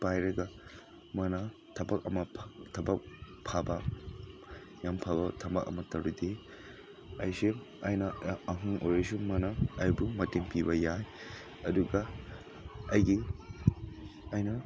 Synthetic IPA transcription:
pajɾɐɡɐ | mɐnɐ | tʰɐbɐk̚ɐmɐtʰɐbɐk̚ | pʰabɐ | jampʰabɐtʰɐmɐkɐ̰mɐtɐɾude | ɐjsi | ɐjnɐɐɦuŋʔojɾɐsumɐnɐːjbumɐtiŋpibɐjaj | ɐduɡɐ | ɐjɡi | ɐjnɐ

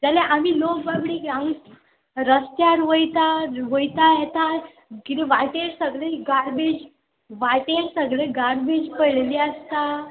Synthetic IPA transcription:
d͡zaleʔamiːlokbabɽiːkaŋɡ | ɾəst̪jaɾʋəjt̪aʋojt̪ajet̪a | kit̪iʋajʈ̪eɾsəɡɭeɡaɾbed͡ʑ | ʋaʈ̪eɾsəɡɭeɡaɾbed͡ʑpəɭliəst̪a

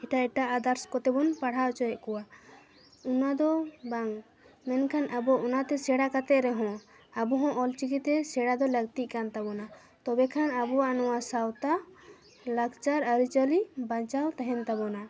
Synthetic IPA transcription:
ɛʈaɛʈaʔad̪aɾskɔt̪ɛbɔnpaɽ̤aʔt͡ʃɔjɛʔkɔwa | unad̪ɔbaŋ | mɛnkʰanʔabɔʔunat̪ɛsɛɽakat̪ɛʔɾɛɦɔ̃ | abɔɦɔ̃ʔɔlt͡ʃikit̪ɛsɛɽad̪ɔləɡ̚t̪iʔ̚ˀkant̪abɔna | t̪ɔbɛkʰanabɔwanɔwasawt̪a | laɡt͡ʃaɾəɾit͡ʃəlibãt͡ʃawt̪ɛɦɛnt̪abɔna

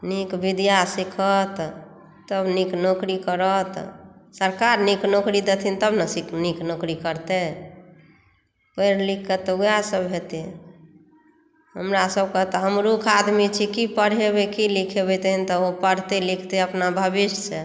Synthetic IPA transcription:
nikbid̪jasikʰət̪ | t̪əbniknokɾikəɾət̪səɾkaɾniknokɾid̪et̪ʰint̪əbnəsikniknokɾikəɾt̪e | pəɪɾlikʰːət̪ːujasəbɦet̪e | ɦəmɾasəb̚kəɦt̪ɦəmɾukʰad̪mit͡ʃʰikipəɽɦebekilikʰebet̪ɦint̪ɔopəɽ̤t̪elikʰt̪eəpnabʱəbist͡ʃʰe

